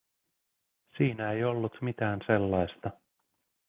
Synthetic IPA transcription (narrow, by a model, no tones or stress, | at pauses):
siːnæejo̞lːut̪mit̪æːnselːɑjst̪ɑ